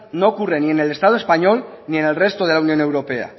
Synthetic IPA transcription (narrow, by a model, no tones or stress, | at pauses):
nokurenienelest̪aðoespaɲolnienelrest̪oð̞e̞launjõ̞newɾopea̰